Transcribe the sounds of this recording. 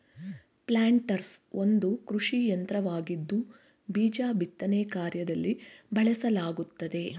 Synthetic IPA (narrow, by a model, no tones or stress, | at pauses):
plaːɳʈɐɾso̞nd̪ukɾuʂijɐnt̪ɾɐʋaːɡid̪ːu | biːd͡ʒaːbit̪ːɐneːkaːɾjɐd̪ɐlːibɐɭɐsɐlaːɡut̪ːɐd̪e̞